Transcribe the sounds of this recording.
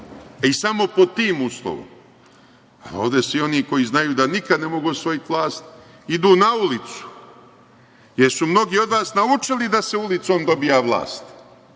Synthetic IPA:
isamo̞po̞t̪iːmuslˠo̰ʋo̰m | a̰o̰ːʋd̪esʋio̞niko̞jiznajuːd̪anikad̪nemo̞ɡuosʋo̞jit̪ʋlˠaːst̪ | id̪uːnaulit̪su̥ | jeɾsumno̞ɡiːo̞d̪ʋaːsnaut͡ʃilid̪aseulit̪so̞ːmd̪o̞bijaʋlˠa̰ːst̪

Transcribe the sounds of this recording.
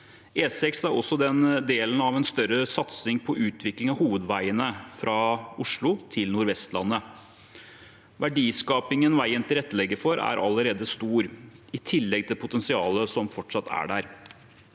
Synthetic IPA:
eːsɛksæɾɔsːɔd̪ɛnd̪eːlənɑʋɛnst̪œɾəsɑt̪snɪŋpʰɔʔʉːt̪ʰʋɪklɪŋɑhuːʋəd̪ʋæɪənəfɾʔɑʊʂɭʊt̪ʰɪlnʊɾʋɛst̪lɑ̰nːə | ʋæɖiːskɑːpɪŋənʋæɪənt̪ʰɪɾɛt̪ːəlɛɡːəfɔɾæ̰ɾʔɑ̰lːəɾeːd̪əst̪uːɾɪt̪ʰɪlːɛɡ̚t̪ʰɪlpʰʊt̪ɛnsɪɑːləsɔmfɔʈʂɑt̪ːæ̰ɖæɾ

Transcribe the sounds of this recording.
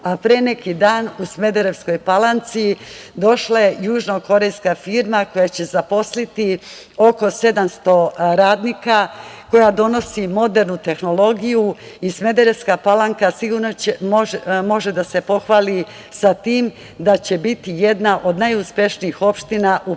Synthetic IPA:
apɾeːne̞kid̪aːnusme̞d̪eɾe̞ʋsko̞jpalant̪sid̪o̞ʃlaje̞juːʒno̞ko̞ɾe̞jskafiːɾmako̞jat͡ɕe̞zapo̞slit̪i | o̞ko̞se̞d̪amst̪o̞ɾaːd̪niːkako̞jad̪o̞no̞simo̞d̪e̞ɾnut̪e̞xno̞lˠo̞ɡijuisme̞d̪eɾe̞ʋskapalˠaŋkasiɡuːɾnot͡ɕemomo̞ʒed̪ase̞po̞xʋaːli | sat̪iːm | d̪at͡ɕe̞bit̪ije̞d̪naʔo̞d̪najuspjeʃniixo̞pʃt̪inaʔu

